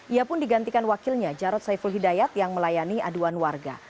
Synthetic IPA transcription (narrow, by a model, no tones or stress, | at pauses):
ʔiapʊndiɡant̪ikanwakɪlɲad͡ʒaɾɔt̪̚sajfulɦidajat̪jaŋməlajaniaduanwarɡa̰